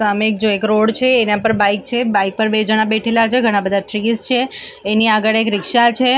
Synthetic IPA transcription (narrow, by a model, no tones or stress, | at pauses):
amek̚d͡ʒoekɾoɽt͡ʃʰeːnãpəɾbaik̚t͡ʃʰebaik̚pəɾbed͡ʒəɽ̃abeʈʰelat͡ʃʰeɡʱəɽ̃ãbəd̪ʱaʈɾist͡ʃʰeː | niaɡəɭekɾɪkʃat͡ʃʰe